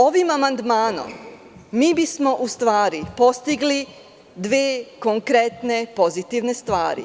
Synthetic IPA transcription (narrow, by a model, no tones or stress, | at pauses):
o̞ʋimamand̪maːno̞̰mː | iːbismo̞ʔust̪ʋaːɾipo̞st̪iɡli | d̪ʋeːkoŋkɾe̞t̪ne̞po̞zit̪iʋne̞st̪ʋa̰ːɾḭ